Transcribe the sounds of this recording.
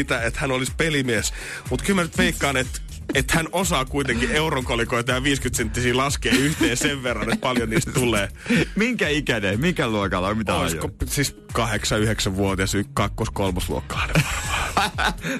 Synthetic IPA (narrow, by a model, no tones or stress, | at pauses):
it̪æet̪hænolispelimies | mut̪kylmænyt̪ʋeikːɑːnet̪ | et̪hænosɑːkuit̪eŋkieuroŋkolikoit̪ɑjɑʋiːskyt̪sent̪ːisiːlɑskeːyht̪eːseʋʋerːɑnet̪̚pɑljoniːst̪t̪ulˑeːmiŋkæikænemiŋkæluokɑlːomit̪æo̰l̰isosiːs | kɑheksɑyheksæʋʋuot̪ɑsykɑkːoskolmɑslṵo̰kːɑɑne̥